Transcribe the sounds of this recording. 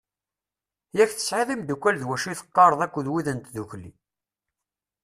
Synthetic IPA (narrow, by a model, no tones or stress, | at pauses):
jæçθə̥sʕeðˤimd̪ukʷːælðwæʃiθə̥qːɑɾˤəðˤækʷːəðwiðənt̪ðuçlːḭ